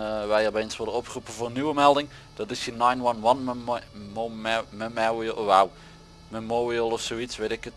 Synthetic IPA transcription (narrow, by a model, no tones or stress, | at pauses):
ʋɛjɔbensʋʊdəɔpχrupəvoːnywəmɛlˠdɪŋ | d̥ɑtɪsjənajnʋɑnwɑn | məmɛɹiəwaw | memoːɹiəlˠɔfsoːitsʋetɪkət